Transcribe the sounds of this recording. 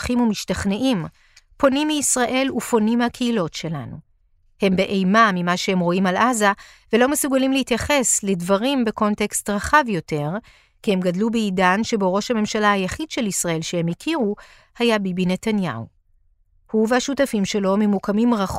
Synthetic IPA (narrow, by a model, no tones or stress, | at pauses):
χimumiʃtaχne̞ʔim | po̞nimːiːsʁaʔe̞lufo̞nimhakʰeilo̞tʃe̞la̰nu | he̞mbe̞ʔejmamimaʃehemʁo̞imalʔaza | velo̞mesuɡalimleit̪jaχe̞sledvaʁimbe̞ko̞nte̞kstʁaχavjo̞te̞ʁ | kihe̞mɡadlubeidanʃe̞boʁo̞ʃhame̞mʃalahajaχidʃe̞lisʁae̞lʃehe̞mikʰiʁu | hajabibine̞tanja̰u | huvehaʃutafimʃe̞lo̞memukamimʁaχ